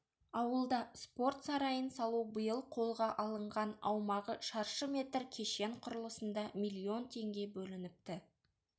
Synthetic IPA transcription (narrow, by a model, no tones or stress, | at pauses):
ɑwəlˠd̪ɑspo̞rt̪sɑɾɑjənsɑlˠubəjəlˠqʰo̞lˠʁɑʔɑlˠəɴʁɑnɑwmɑʁəʃɑɾʃəmʲe̞t̪rkʲʰe̞ʃe̞ɴqʰʊɾəlˠəsənd̪ɑmʲijlʲːio̞nt̪ʰe̞ŋɡʲe̞bɵlɪnɪp̚t̪ɪ